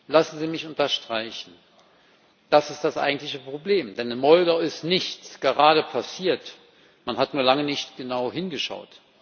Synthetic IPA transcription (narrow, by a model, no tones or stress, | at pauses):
lasn̩ziːmɪçʊntɐʃtʁ̥aɪçn̩ | d̥asɪstd̥asʔa̰ɪɡŋ̩tlɪçəpʁ̥obleːmd̥ɛnɪmɔldaɪstnɪçt͡sɡ̥əʁaːɾəpʰasiːɐt | manhatnuːɐlaŋənɪçtɡ̥ənaʊɦɪnɡəʃa̰ʊt